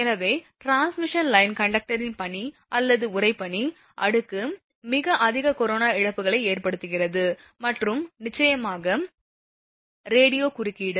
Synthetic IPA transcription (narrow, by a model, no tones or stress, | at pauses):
ɛnɐʋeːʈɾaːnsmɪʂɐnlɐɪnkɐɳɖɐk̚ʈɐɾɪnpɐɳi | ʔɐlːɐðɯʊrɐɪpːɐɳi | ʔɐɽɯkːɯ | mɪɣɐʔɐðɪɣɐkɔɾoːnaːɪɻɐpːɯɣɐɭɐɪeːrpɐɽɯt̪ːɯɣɪrɐðɯ | mɐʈrɯmnɪt͡ʃːɐjɐmaːɣɐ | ɾeːɽɪjoːkʊrɪkːɪɽɯ